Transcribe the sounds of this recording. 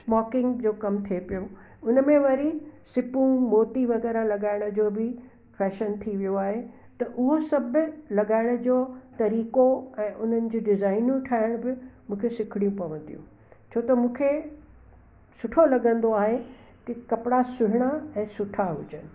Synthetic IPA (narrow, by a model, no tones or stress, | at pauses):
smɔːkɪ̃ŋɡd͡ʑoːkɐmt̪ʰiepijo | ʊnəmẽʋɐɾisɪpũmoːʈiʋɐɣɛːɾalɐɠaːɪɽ̃ʊ̆d͡ʑoːbɪ | fɛːʃənt̪ʰiʋijoaːɦe | t̪ɐʔʊɦosɐbʱlɐɠaːɪɽ̃ʊ̆d͡ʑoːt̪ɐɾiːkoɛ̃ːʔʊn̤ənɪ̆d͡ʑoːɖɪzaːɪnũʈʰaːɪɽ̃bɪmũːkʰesɪkʰɪɽijũpɐʋə̃nd̪ijṵ̃ | t͡ɕʰoːt̪ɐmũːkʰe | sʊʈʰolɐɠə̃nd̪oaːɦe | k̪ɐkɐpɪɽasʊɦɪɽ̃aɛ̃ːsʊʈʰaɦʊ̰d͡ʑənɪ̆